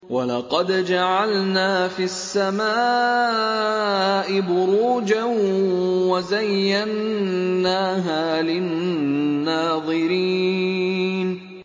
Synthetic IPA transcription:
walɑqɑd̪d͡ʒaʕalnaːfiasːamaː | ʔɪbʊɾuːd͡ʒanwazajːanː | aːɦaːlɪnː | aːðˤɨɾiː | n

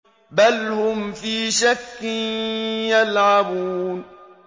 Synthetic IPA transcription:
balhʊmfiːʃakːɪnjalʕabuːn

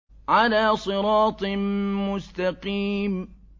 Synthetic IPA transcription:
ʕalaːsˤɨɾɑːt̪ˤmʊst̪ɑqiːm

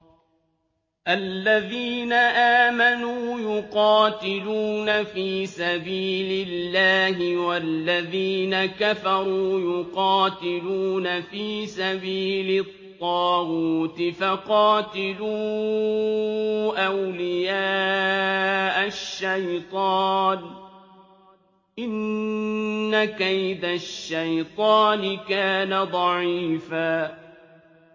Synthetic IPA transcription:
ʔalːaðiːnaʔaːmanuːjʊqɑːt̪ɪluːnafiːsabiːlɪlːaːɦɪwalːaðiːnakafɑɾˤuːjʊqɑːt̪ɪluːnafiːsabiːlɪt̪ˤːɑːɣuːt̪ɪfaqɑːt̪ɪluː | ʔawlɪjaː | ʔaʃːajt̪ˤɑːn | ʔɪnː | akajd̪aʃːajt̪ˤɑːnɪkaːnad̪ˤɑʕiːfaː

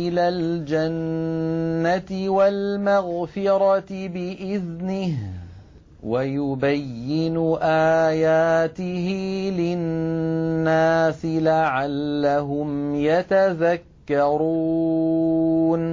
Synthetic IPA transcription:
ɪlaːld͡ʒanː | at̪ɪwalmaɣfɪɾˤɑt̪ɪbɪʔɪðnɪh | wajʊbajːɪnʊʔaːjaːt̪ɪɦɪlɪnː | aːsɪlaʕalːaɦʊmjat̪aðakːɑɾuː | n

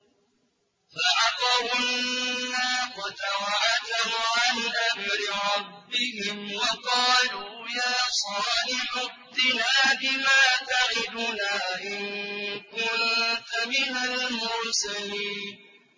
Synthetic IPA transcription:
faʕɑt̪ɑwʊnːaːqat̪awaʕad͡ʒahʊʕanʔamɾɪɾˤɑbːɪhɪmwɑqɑːluːjaːsˤɑːnɪħʊ | d̪ɪnaːbɪmaːt̪aʕɪd̪ʊnaːʔɪnkʊnt̪amɪnalmʊɾsaliːnn

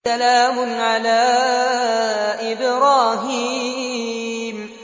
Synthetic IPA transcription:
alaːmʊnʕalaː | ʔɪbɾaːɦiː | m

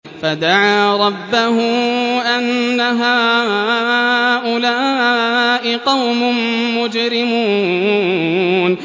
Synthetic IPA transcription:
fad̪aʕaːɾˤɑbːahʊʔanːaɦaː | ʔʊlaː | ʔɪqɑwmʊ | mʊd͡ʒɾɪmuː | n

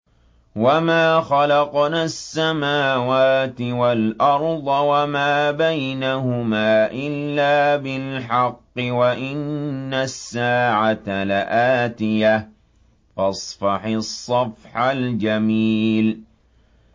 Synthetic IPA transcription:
wamaːxalɑqnaːsːamaːwaːt̪ɪwalʔɑɾˤd̪ˤɑwamaːbajnahʊmaːʔɪlːaːbɪlħɑqːɪwaʔɪnːasːaːʕat̪alaʔaːt̪ɪja | fɑsˤfɑħɪsˤːɑfħald͡ʒamiːl

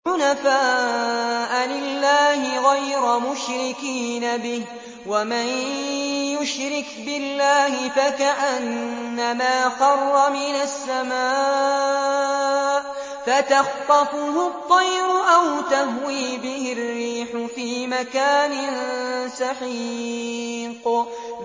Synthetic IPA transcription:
ʊnafaː | ʔalɪlːaːhɪɣajɾamʊʃɾɪkiːnabɪh | waman | jʊʃɾɪkbɪlːaːhɪfakaʔanːamaːxɑrˤːɑmɪnasːamaː | ʔ | fat̪ɑxt̪ˤɑfʊɦʊt̪ˤːɑjɾʊʔawt̪ahwiːbɪhɪrːiːħʊfiːmakaːnɪnsɑħi | q

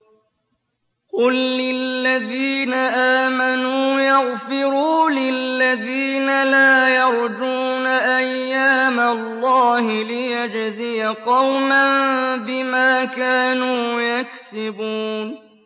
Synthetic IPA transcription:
qʊlːɪlːaðiːnaʔaːmanuːjɑɣfɪɾuːlɪllːaðiːnalaːjɑɾˤd͡ʒuːnaʔajːaːmalːɑːhɪlɪjad͡ʒzɪjaqɑwmanbɪmaːkaːnuːjaksɪbuːn

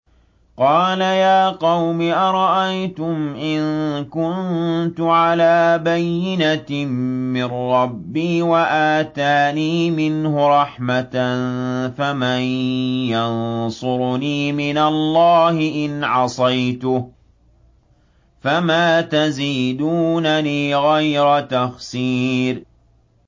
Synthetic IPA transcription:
qɑːlajaːqɑwmɪʔɑɾˤɑʔajt̪ʊmʔɪnkʊnt̪ʊʕalaːbajːɪnammɪrːɑbːiːwaʔaːt̪aːniːmɪnhʊɾˤɑħmat̪nfamajjansˤʊɾniːmɪnalːɑːhɪʔɪnʕɑsˤɑjt̪ʊ | famaːt̪aziːd̪uːnaniːɣajɾat̪axsiːɾ

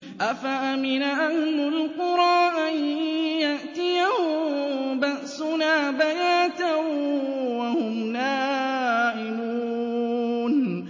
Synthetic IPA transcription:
ʔafaʔamɪnaʔahmʊlqʊɾɑːʔanjaʔt̪ɪjahʊ | baʔsʊnaːbajaːt̪a | wahʊmnaːʔɪmuː | n

